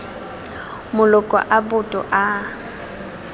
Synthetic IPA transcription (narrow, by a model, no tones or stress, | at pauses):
mʊlɔkʼɔ̰ʔabʊtʼɔ̰ʔa